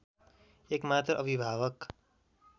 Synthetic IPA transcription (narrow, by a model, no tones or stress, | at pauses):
ekmat̪rʌʔʌbʱibʱabʌk